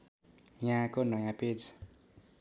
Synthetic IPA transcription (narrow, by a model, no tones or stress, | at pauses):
jãkonʌjãped͡z